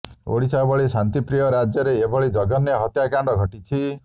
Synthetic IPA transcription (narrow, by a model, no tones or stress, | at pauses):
o̰ɽisabɔɭisant̪ipɾijɔɾad͡ʒjɔɾeːbʱɔɭid͡ʒɔɡɔneɦɔt̪jakaɳɖɔɡʱɔʈit͡ʃʰi